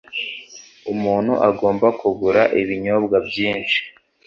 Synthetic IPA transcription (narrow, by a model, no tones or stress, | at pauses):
umuːn̥hṵʔaɡo̞ːmbakuɡuɾaʔiβiɲoːbɡabɟiːnt͡ʃi̥